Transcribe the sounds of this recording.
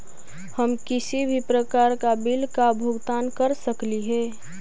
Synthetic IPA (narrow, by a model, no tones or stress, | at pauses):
həmkɪsibʱipɾəkaːɾkabilkabʱʊɡt̪aːnkəɾsəkliɦɛː